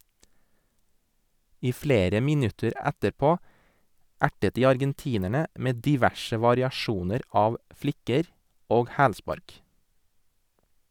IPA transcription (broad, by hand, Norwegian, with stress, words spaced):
ˈiː ˈfleːɾə ˈmɪnʉtəɾ ˈætəɾˌpoː ˈæʈət ˈdiː ɑɾɡɛnˈtiːnəɳə ˈʔmeː ˌdɪˈʋæʃə ʋɑɾɪɑˈʃuːnəɾ ˈɑːʋ ˈflɪkəɾ ˈoːɡ ˈhæːlˌspɑɾk